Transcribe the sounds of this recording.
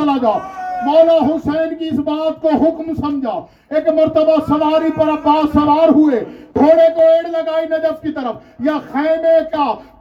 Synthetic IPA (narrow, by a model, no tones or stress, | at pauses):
lad͡ʒaːmɔːlaɦʊsɛːnkiɪsbaːt̪koɦʊkmsɐmd͡ʒʱaː | eːkməɾt̪əbasəʋaːɾipəɾakaːsəʋaːɾɦʊeɡʱoːɽekoeːɽləɡaːinɐd͡ʒəfkit̪əɾəp | jaxʰɛːmeka